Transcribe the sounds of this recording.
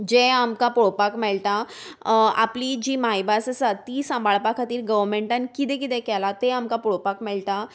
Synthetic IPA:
d͡ʑeamkapɔɽopakmeɭʈ̪a | a̰plid͡ʑiːmajbasəsat̪iːsãmbʱaɭpakʰat̪iːɾɡəʋɾmẽɳʈãnkit̪̬ẽkit̪ẽkɛlat̪eamkapuɽopakmɛɭt̪a

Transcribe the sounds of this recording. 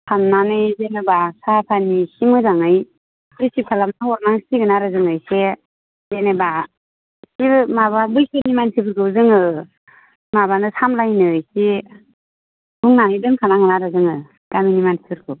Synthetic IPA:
pʰamnanɯjzenɯbasapʰanisimɯzaŋɯj | ɯsip̚kʰalamnahɔɾnaŋsiɡɯnaɾɯzɯŋɯjse | zeneba | siɾmaβabɯjsɯnimansʰibɯɾɡɯwzɯŋɯ | mabanɯsamlajnɯɯjsi | buŋnanɯjdɯŋkʰanaŋɡɯnaɾɯzɯŋɯ | d̥aminimansʰibɯɾkʰɯw

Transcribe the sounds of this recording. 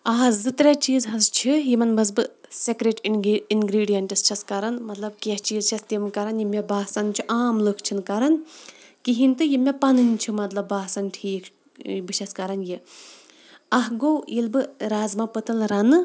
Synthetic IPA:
aːzzɨt̪ɾʲat͡ʃiːzɦɐzt͡ʃʰijimɐnmɐz̬bɨsekɾeʈinɡɾiːɖijɐɳʈɨst͡ʃʰɐskɐɾɐnmɐt̪lɐb̚keht͡ʃiːzt͡ʃʰɐst̪imkɐɾɐnjimʲebaːsɐnt͡ʃʰiʔaːmlɨkʰt͡ʃʰinkɐɾɐnkiɦint̪ɨjimʲepɐnɨnʲt͡ʃʰimɐt̪lɐbaːsɐnʈʰiːkʰ | bɨʃɐskɐɾɐnji | ɐɦɡowilbɨɾaːzmapɨt̪ɨlɾɐnɨ

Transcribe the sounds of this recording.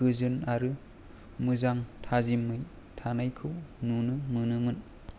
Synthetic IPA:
ɯzɯnaɾɯ | mɯzaŋtʰazimːɯj | tʰanajkʰɯwnunɯmɯnɯmɯn

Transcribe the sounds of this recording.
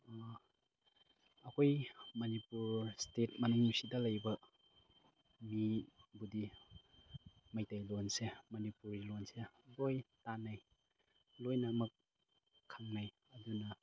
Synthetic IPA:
ɐkʰojmɐnipuɾstet̚mɐnuŋisidɐlɐjbɐ | mibudi | majtajlonsemɐnipuɾilonselojtanaj | lojnɐːmɐk̚ʰː | aŋnaj | ɐdunɐ

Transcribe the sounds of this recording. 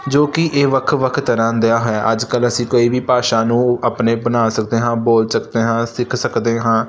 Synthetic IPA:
d͡ʒoːkɪʔeːʋəkʰʋəkʰt̪əɾãːd̪ejaːɦojaːʔəd͡ʒkələsĩːkoːiːʋiːpaːʃaːnũːəpneːbənaːsəkd̪eːɦãːboːlsəkd̪eːɦãːsɪkʰsəkd̪eːɦãː

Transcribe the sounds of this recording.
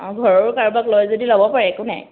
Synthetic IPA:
ɡʱɔɹɔɹkaɹbaklojzodilɔbɔpaɹɛkʊnɛ̰

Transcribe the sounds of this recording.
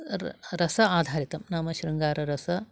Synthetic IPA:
ɾɐsɐaːd̪ʱaːɾit̪ɐmnaːmɐʃɾɐŋɡaːɾɐɾɐsɐ

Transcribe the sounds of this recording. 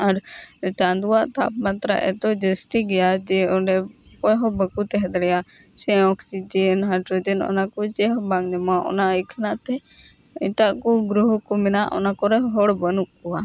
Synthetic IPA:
aɾt͡ʃand̪uwaʔt̪a̰p̚mat̪ɾa̰ʔɛ̰t̪ɔd͡ʒəst̪iɡɛjad͡ʒɛɔɖɛ | pɔɦɔbəkut̪ɛɦɛd̪ɽɛja | sɛ̃ɔkʰt͡ʃid͡ʒɛnɦaʈɔd͡ʒɛnɔ̰nakɔt͡ʃɛɦɔbaŋɲɛmaʔɔ̰naikʰnaʔt̪ɛḭʈaʔkɔɡɾuɦkɔmɛnaʔɔ̰nakɔɾɛɦɔɽbənuk̚ːɔwa

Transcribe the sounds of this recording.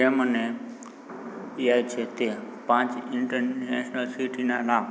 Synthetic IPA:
eːmənẽ | iaːit͡ʃʰet̪epãːt͡ʃɪ̃ɳʈəɾɛːʃnəlsiʈinãːlaː

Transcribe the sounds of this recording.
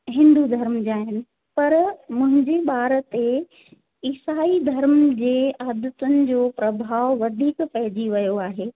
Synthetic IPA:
ɦɪ̃nd̪ud̪ʱɐɾmd͡ʑaːɦɪnɪ̆ | pɐɾmʊ̃ɦɪ̃ɲd͡ʑeɓaːɾət̪e | ɪsaːid̪ʱɐɾmd͡ʑeːaːd̪ət̪ʊnɪ̆d͡ʑoːpɾɐbʱaːʋʋɐd̪ʱiːkpɐɦɪd͡ʑiʋɐjoaːɦeː

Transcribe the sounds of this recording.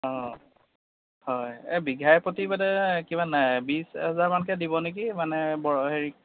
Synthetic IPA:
ɔ̃ | hɔjɛbiɡʱajpotibadɛkibanajbisɦɛzaɹmankɛdibɔnek̬imanɛbɔɹɔɦeɹik̚

